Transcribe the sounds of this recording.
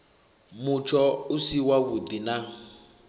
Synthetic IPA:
mut͡ʃʰɔusiwakudina

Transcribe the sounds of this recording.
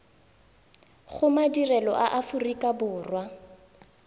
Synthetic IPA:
ɣʊmadirɛlɔʔaʔafʊrikʼabʊːrwa

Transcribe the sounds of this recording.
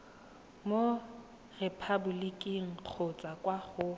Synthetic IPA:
mo | repʰabʊlikʼiŋ̩q͡χʰot͡sʼakʼwaχʊ

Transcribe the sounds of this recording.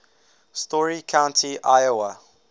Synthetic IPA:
stɔɹikʰãʊ̃ntʰiʔaɪjoə

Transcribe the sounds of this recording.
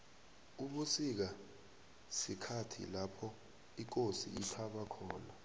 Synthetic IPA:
uɓusik̬a | sikʰatʰḭlapʰɔ | ik̬osḭipʰaɓakʰɔːna

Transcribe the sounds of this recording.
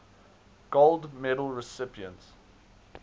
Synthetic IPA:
ɡ̥olˠdmɛɾəl̩ˠɹɪsɪpiə̃nt

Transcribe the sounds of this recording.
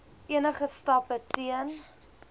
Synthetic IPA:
iənəχəstɐpətiən

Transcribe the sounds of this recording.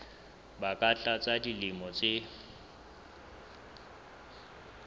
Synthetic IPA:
bakʼat͡ɬʼat͡sʼadilimɔt͡sʼe

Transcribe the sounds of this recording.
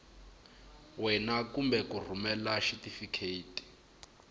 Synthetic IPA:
wɛnakumbɛkur̤umɛlaʃitifikʰeiːtʼi̥

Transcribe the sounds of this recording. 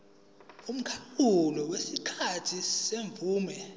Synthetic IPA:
um̩kʰakulɔwesikʰatʰiseɱvuːmɛ

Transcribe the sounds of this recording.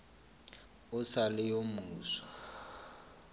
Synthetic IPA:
ʊsalɪjomuːsɔ̥

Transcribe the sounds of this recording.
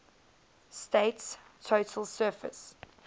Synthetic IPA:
steɪtstʰoʊtʰəlˠsɜːfə̰s

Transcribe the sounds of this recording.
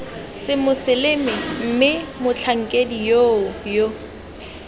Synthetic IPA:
sɪmʊsɪlɪmɪm̩mɪmʊt͡ɬʰaŋ̩kʼedijoʊjo

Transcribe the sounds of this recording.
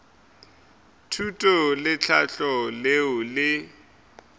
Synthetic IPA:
tʰutʼɔlɪt͡ɬʰaɬɔleʊlɪ

